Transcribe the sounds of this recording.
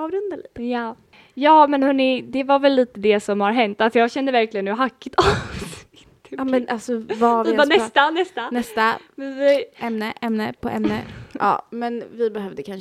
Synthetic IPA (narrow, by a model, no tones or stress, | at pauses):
ɑːvɾɵnd̪alḭːt̪əjɑː | jɑːmɛnhɵnːɪd̪ɛvaɾvɛlːiːt̪əd̪ɛsɔmhaɾɦɛnt̪asɔjɑːɡɕɛnd̪əvæɾklɪɡənʉːɦakːɪt̪asɪt̪mɛnalsɔvavɪanɛst̪anɛst̪anɛst̪aɛsɛjʔɛmnəʔɛmnəpʰɔʔɛ̰mnə̰ʔɑ̰ːmɛnvɪbɛɦœvd̪əkʰan